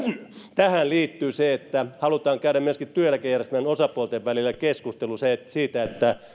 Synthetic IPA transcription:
t̪æhænliːt̪ːyːseet̪ːæhɑlut̪ɑːŋkæyɾæmmyøskit̪t̪yøjælːˑækejærest̪ymænosɑpuolt̪eʋʋælilːˑækeskust̪elusesiːt̪æet̪ːæ

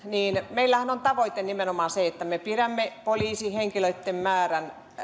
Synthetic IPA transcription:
niːnmeilːæhænont̪ɑʋoit̪enimenomɑːnseet̪ːæmepiræmːepoliːsiheŋkiløit̪ːemmæːræn

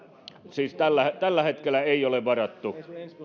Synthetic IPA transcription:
siːst̪ælːæt̪ælːæhet̪kelːˑæeˑijoleʋʋɑrɑt̪ːu

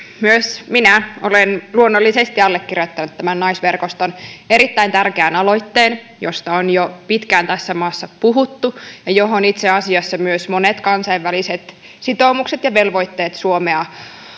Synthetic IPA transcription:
myøsminæolenluonːolːisest̪iɑlːekːirjot̪ːɑnut̪t̪æmænnɑjsʋe̞rkost̪one̞ɾit̪ːæint̪ærkeænɑlo̞jt̪ːeːn | jo̞st̪ɑonjopit̪kæːnt̪æsːæmɑːsːɑpuɦut̪ːujɑjoɦonit̪seɑsiɑsːɑmyøsmo̞net̪kɑnsɑiʋːæliset̪ | sit̪o̞ːmukset̪jɑʋe̞lʋo̞jt̪ːe̞ːt̪suomeɑ

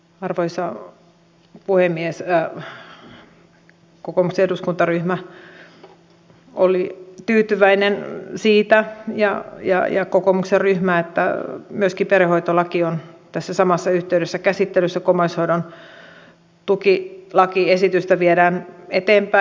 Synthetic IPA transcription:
ɑrʋoisɑ | puhemːies | kokomukseeduskunt̪ɑryhmæ | ʔolit̪yːt̪yʋæinensiːt̪æjɑ̰jɑ̰jɑkokomukserryhmæːet̪ːæmyøskiperehoit̪olɑkiont̪æsːæsɑmɑsːɑyht̪eyɾesːækæsit̪ːelysːækomɑishoiɾon | t̪ukilɑkiesit̪yst̪æʋieɾæːnet̪eːmpæ

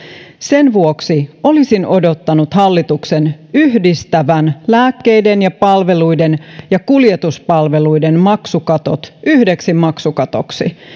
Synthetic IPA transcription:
se̞nʋuoksiʔo̞lisinʔo̞do̞t̪ːɑnut̪hɑlːit̪uksenyɦdist̪æʋænlæːkːe̞jde̞njɑpɑlʋe̞lujdenjɑkuljet̪uspɑlʋe̞lujdenmɑksukɑt̪o̰t̪yhde̞ksimːɑksukɑt̪o̞̰ksḭ

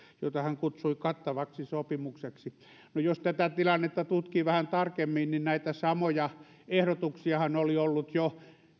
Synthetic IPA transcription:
jo̰it̪ɑhæŋkut̪suikɑt̪ːɑʋɑksisopimukseksi | nojost̪æt̪æt̪ilɑnːet̪ːɑt̪ut̪kiʋæhænt̪ɑrkemːinninnæit̪æsɑmojɑ | ehɾot̪uksiɑhɑnoliolːut̪jo

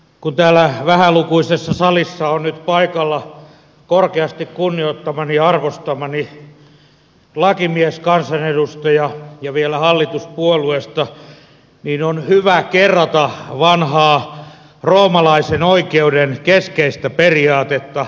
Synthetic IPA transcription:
kunt̪æːlːæʋæhælukuisesːɑsɑlisːɑonnyt̪pɑikɑlːɑ | korkeɑst̪ikkunːioit̪ːɑmɑniɑrʋost̪ɑmɑni | lɑkimieskɑnsɑnedust̪ɑjɑjɑʋielæhɑlːit̪uspuoluest̪ɑ | niːnonhyʋækerːɑt̪ɑʋɑnhɑː | roːmɑlɑisenoikeudenkeskeist̪æperiɑːt̪et̪ːɑ

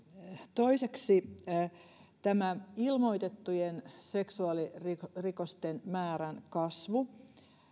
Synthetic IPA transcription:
t̪oiseksi | t̪æmæilmoit̪et̪ːujenseksuɑliririkost̪enmæːɾænkɑsʋu

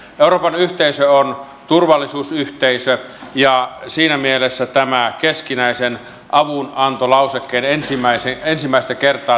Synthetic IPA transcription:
ʔeuroːpɑnyht̪eisøon | t̪urʋɑlːisuːsyht̪eisø | jɑsiːnæmielesːæt̪æmækeskinæisen | ʔɑʋunɑnt̪olɑusekːeːnensimæiseensimːæˑist̪ækert̪ˑɑː

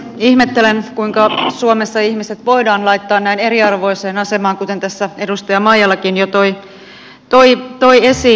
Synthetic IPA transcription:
ihmet̪ːelenkuiŋkɑsuomesːɑihmiset̪ʋo̞idɑːnlɑit̪ːɑːnnæine̞ɾiɑrʋo̞iseːnɑsemɑːŋkut̪e̞nt̪æsːæe̞dust̪ɑjɑmɑijɑlːɑkinjot̪oi | t̪oit̪o̞iesi

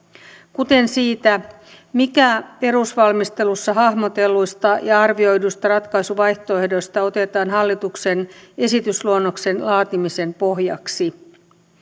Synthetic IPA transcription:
kut̪e̞nsiːt̪æ | mikæpe̞ɾusʋɑlmist̪e̞lusːɑɦɑhmot̪e̞lːujst̪ɑjɑɑrʋio̞jdust̪ɑrɑt̪kɑjsuʋɑjht̪o̞e̞hdo̞jst̪ɑo̞t̪e̞t̪ɑːnɦɑlːit̪ukse̞ne̞sit̪ysluonːo̞kse̞nlɑːt̪imise̞mpo̞ɦjɑ̰ksi

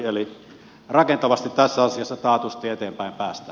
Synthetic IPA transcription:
eli | rɑkent̪ɑʋɑst̪it̪tæsːæɑsiɑsːɑt̪ɑːt̪ust̪ˑiet̪eːmpæˑempæːst̪æ

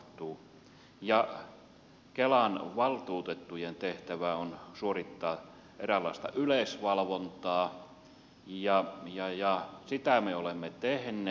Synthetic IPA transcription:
t̪ˑuː | jɑ | kelɑnʋɑlt̪uːt̪et̪ːujent̪eht̪æʋæonsuorit̪ːɑː | ʔerælːˑɑ̰ˑest̪ɑ̰ʔylesʋɑlʋont̪ɑː | jɑjɑjɑsit̪æmeolemːet̪ehnːˑe

